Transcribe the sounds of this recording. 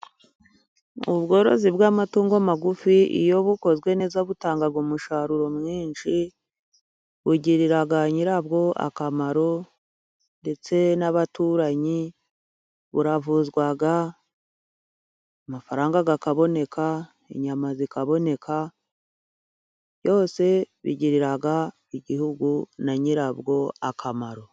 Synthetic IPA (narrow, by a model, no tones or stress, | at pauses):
ṵβɡo̞ɾo̞̰zibɡamatuːŋɡoamaɡufiḭjo̞βuko̞zɡwe̞nezaβutaːŋɡaɡomuʃaɾuɾo̞mŋiːnʃi | βuɟiɾiɾaɡaɲiɾab̚ɡo̞a̰kamaɾo̞ | nde̞t͡se̞naβatuːɾaɲi | βuɾavuzɡwaɡa | amafaɾaːŋɡaɡakaβo̞ne̞kʰa | ḛɲamazikaβo̞ne̞kʰa | βjo̞ːse̞βḭɟiɾiɾaɡa | iɟihuɡunaɲiɾabɡo̞akʰamaɾo̞